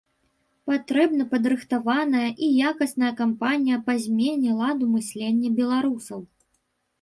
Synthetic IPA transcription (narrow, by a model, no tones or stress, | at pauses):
pat̪ɾɛbnɐpɐd̪ɾɨxt̪avanɐjɐʔijakɐsn̪ɐjɐkampanʲijɐpazʲmʲenʲilˠad̪umɨsʲlʲenʲːɐbʲɛlˠaɾusɐw